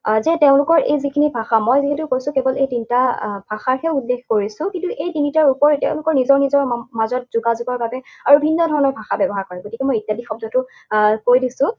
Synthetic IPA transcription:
zɛteʊ̃lʊkɔɹʔejzikʰinibʱaxamɔjziɦɛtʊkojsʊ̃kebɔlejtintab̥ʱaxaɹhɛulːekʰkoɹisʊ̃kintuʔejtinitaɹupɔɹteʊ̃lʊkɔɹnizɔɹnizɔɹmazɔt̚zuɡazʊɡɔɹbabɛaɹubʱinːɔdʱɔɹɔnɔɹbʱaxabɛbɔɦaɹkɔɹɛɡotikɛmɔjitjadixɔb̚dʱɔtʊ | koɹjdisʊ̃

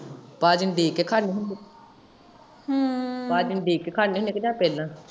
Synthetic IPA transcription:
paːd͡ʒɪnɖeːkekʰaːniːɦʊnd̪e | ɦpaːd͡ʒɪnɖeːkːeːkʰaːniːɦʊnd̪eːkd͡ʒãːpɛːlãː

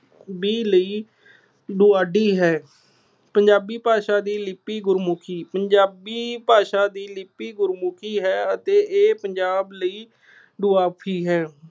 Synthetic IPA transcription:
biːləiː | ɖuːaːɖiːɦɛː | pəɲd͡ʒaːbiːpaːʃaːd̪iːlɪpiːɡʊɾmʊkʰiːpəɲd͡ʒaːbiːpaːʃaːd̪iːlɪpːiːɡʊɾmʊkʰiːɦɛːət̪eːʔeːpəɲd͡ʒaːbləiː | ɖuːaːpʰiːɦɛː

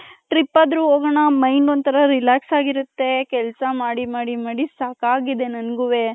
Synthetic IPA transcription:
ʈɾipːaːd̪ɾuɦoːɡɐɳɐmɐjnont̪ʰɐɾɐɾilaːksaːɡiɾut̪ːe̞kɛlsɐmaːɽimaːɽimaːɽisaːkaːɡid̪e̞nɐnɡuʋe̞

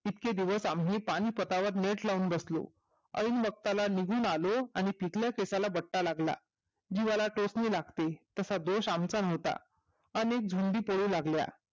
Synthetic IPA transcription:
it̪ked̪iʋəsamɦiːpaɽ̃iːpət̪aʋəɾneʈlauːnbəslo̰ | ə̰iːnbəɡ̚t̪alaniɡʱuːnaloaɽ̃ipikljakesalabəʈːalaɡla̰ | d͡ʑiʋalaʈosniːlaɡt̪et̪əsad̪oɕamt͡sanəʋt̪a̰ | ənek̚d͡zʱuɳɖ̪iːpoɽuːlaɡlja̰

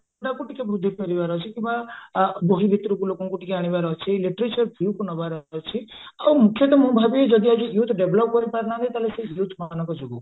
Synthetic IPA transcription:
ɔʈakuʈikebɾud̪ʱːipɔɾibaɾɔɦt͡ʃʰikimbaboɦibʱit̪ɾukulokɔŋkuʈikeaɽ̃ibaɾɔɦt͡ʃʰieliʈɾet͡ʃɔɾbʰʱjukunɔbaɾɔɦt͡ʃʰiawmukʰjɔt̪ɔmũbʱabied͡ʒɔd̪iad͡ʒujut̪ɖebʱlɔp̚kɔɾipaɾnãt̪ʰĩt̪aɦleseilut̪ʰmanɔ̃kɔd͡ʒoɡɔ

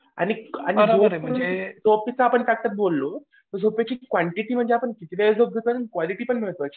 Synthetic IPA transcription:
a̰ñiañid͡zom̤ə̃d͡zesopit͡saːpəɳt̪ak̚t̪ət̪̚bolːo | t̪əɾd͡zopjat͡ɕiːkʋaɳʈiʈiːm̤əɳd͡zeapəɳkit̪ʋead͡zob̚ɡ̪ʱet̪onənkʋaliʈiːpəɳmiɭt̪oət͡ɕi̥

